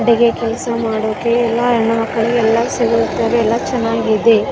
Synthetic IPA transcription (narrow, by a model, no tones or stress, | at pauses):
ɽiɡekɛlɐsɐmaːɽoːkeːlːɐːɾɳɐɐkːɐlɛlːɐsiɡut̪ːɐʋeɛlːɐt͡ʃɛnːaːɡid̪e